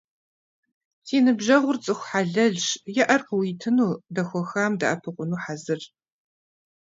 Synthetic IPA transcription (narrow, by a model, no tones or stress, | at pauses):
tʰiːnɨbʒɐʁʷʊrt͡sʼɨxʷħaːɮɐɮɕjɛʔɐrqəwiːtʰɨnuːdɐxʷɔxaːmda̰ʔɐpʰɨqʷʼʊnuːħazɨr